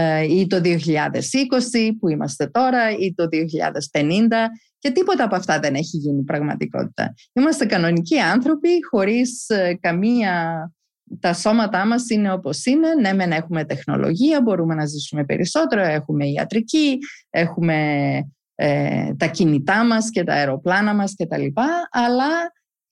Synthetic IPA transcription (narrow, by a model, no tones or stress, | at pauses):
it̪o̞ðio̞çiʎɐðe̞siko̞sipuimɐ̰st̪e̞t̪o̞ɾɐit̪o̞ðioçiʎɐ̰ðe̞spe̞nind̪ɐ | ce̞t̪ipo̞t̪ɐːpoɐft̪ɐðe̞ne̞çiʝinipɾɐɣmɐ̰t̪iko̞̰t̪i̥t̪ɐ̰ | imɐst̪e̞kɐno̞niciɐnθɾo̞pixo̞ɾiskɐmiɐ | t̪ɐso̞mɐt̪ɐmɐsine̞o̞po̞sine̞ne̞me̞nɐe̞xume̞t̪e̞xno̞̰lo̰ʝiɐbo̞ɾume̞nɐzisume̞pe̞̰ɾʔḭso̞t̪e̞ɾoe̞xume̞iɐ̰t̪ɾicie̞xume̞ | et̪ɐcinit̪ɐmɐsce̞t̪ɐ̰eɾo̞plɐnɐmɐsce̞t̪ɐlipɐːlɐ